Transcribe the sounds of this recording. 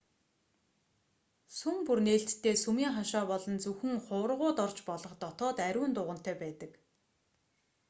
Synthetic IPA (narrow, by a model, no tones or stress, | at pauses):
sumpurneːɬt̪ːʰeːsumiːŋχaʃaːpɔɮɞ̆nt͡sɵxɘ̆ŋχʊːrʁʊːt̪ɔrt͡ɕpɔɮɞ̆χt̪ɔt̪ɔːt̪æɾʲuːnt̪ʊːʁə̆n̥t̪æːpæːt̪ə̆k